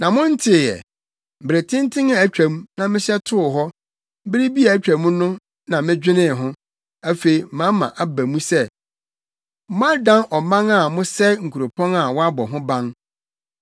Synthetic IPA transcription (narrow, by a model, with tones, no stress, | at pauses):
nã˨mʊ̃˦n̩˦tʰɪ˨jɛ̰˨ | m̩˨bɾe˨tʰɪ̃˦n˦tʰɪ̃˦ŋa˦æ˨t͡ɕᶣæ̃˨mũ˦nã˨mɪ̃˦ɕɛ˦tʰʊ˦ʊ˨ɦɔ˦ | bɪ˦ɾɪ˦bi˦a˨æ˦t͡ɕᶣæ˨mũ˦nʊ̃˦ | nã˨mɪ̃˦d͡ʑᶣɪ˦nɪ̃˦˨ɦʊ̃˦ | æ˦fe˨i˨˦mã˦mã̰˨ʔa˨bæ̃˨mũ˦sɛ˦ | m˦a˦dã˦nʔɔ˨mã˦ŋa˨mʊ̃˦sɛ˦ŋ̩˨kʰu˨ɾo˨pʰɔ̃˦na˨wɔ˦a˦bɔ˨ɦʊ̃˦bã˦ŋ